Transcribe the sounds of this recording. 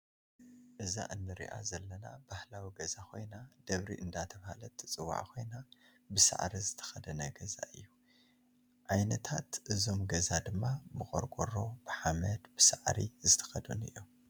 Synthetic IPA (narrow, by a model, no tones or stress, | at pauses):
ʔɨza̰ʔɨnːɨɾḭʔa̰zɐlːɐna̰bahlawiɡɐzakʰo̞jnad̪̥ɐβɾḭʔɨnd̪at̪ʰɐβhalɐt̪ʰːɨt͡sʼɨwa̰ʕkʰo̞jna | bɨsa̰ʕɾizɨt̪ʰɐ̥xɐd̪ɐnɐɡɐza̰ʔɨ̰jːu | ʕajnɐt̪ʰat̪ʔɨzo̞mɡɐzad̪ɨmːabɨxʼoɾɡʰʼoɾo̞b̥ɨħamɐd̪b̥ɨsaʕɾizɨt̪ʰɐ̥xɐd̪ṵnɨ̰jːu